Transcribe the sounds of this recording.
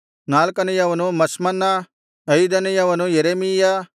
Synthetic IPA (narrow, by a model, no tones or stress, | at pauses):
naːlkɐnɐjaʋɐnũmɐsmɐnːa | ɐjid̪ɐnijaʋɐnũjɐɾeːmija